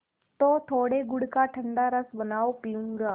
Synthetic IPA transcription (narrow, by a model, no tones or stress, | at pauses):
t̪ot̪ʰoːɽeɡʊɽkaʈʰɐ̃ɳɖaɾɐsbɐnaːopiũŋɡaː